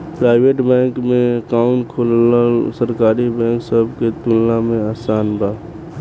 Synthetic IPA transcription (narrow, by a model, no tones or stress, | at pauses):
pɾaːɪʋeːʈbɛ̃ːŋkmẽkaːʊɳkʰolsəɾkaːɾibɛ̃ːŋksəbket̪ulnamẽaːsaːnbaː